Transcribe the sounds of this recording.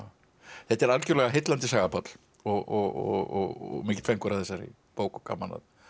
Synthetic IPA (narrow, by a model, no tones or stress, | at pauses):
θɛt̪ːɛɾalcʏɾlɛɣaɦɪjt̪lant̪ɪsaːɣapʰɔt̪l̥ | ɔɣɔɣɔ̰ɣɔɣɣmɪːcɪ̥t̪fɛŋkʏɾaðθɛsːaɾɪ̰ | poːwkɔka̰mana̰ð